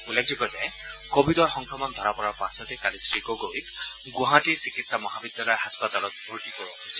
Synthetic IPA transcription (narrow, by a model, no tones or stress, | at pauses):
ulːek̚ʰzukɔzɛ | kobʱidɔɹxɔŋkʰɔmɔnd̪ʱɔɹapɔɹapãsɔtekalisɹikɔɡojt | ɡʊ̃ɦãtiɹsikitsamɔɦabid̪jalɔjɦaspat̪alɔt̪̚bʱuɹtikɔɹbɔɦojsil